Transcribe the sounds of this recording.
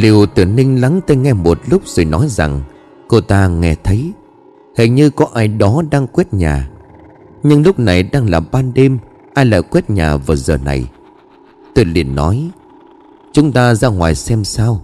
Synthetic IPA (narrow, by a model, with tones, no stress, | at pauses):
li˨˩əwt̪ɨ̰˧˩əŋnï˧ŋ̟la˨˦ŋt̪aː˧jŋɛ˧mo˨˩t̚lʊ˦˥k͡p̚z̥o̰˨˩jnɔ˨˦jza˨˩ŋ | ko˧t̪aː˧ŋɛ˧t̪ʰə˨˦j | hə̰˨˩jɲɨ˧kɔ˨˦ʔaː˧˩jɗɔ˨˦ɗaː˧ŋkwi˦˥t̚ɲa̰ː˨˩ | ɲɨ˧ŋlʊ˦˥k͡p̚na˨˩jɗaː˧ŋlaː˨˩ɓaː˧nɗe˧m | ʔaː˧jla̰ː˧˨˩jkwɛ˦˥t̚ɲa̰ː˨˩vaː˨˩zəː˨˩na̰˨˩j | t̪o˧jlḭ˨˩ənːɔ˨˦j | t͡ɕʊ˨˦ŋ͡mt̪aː˧zaː˧ŋwaː˨˩jsɛ˧msaː˧w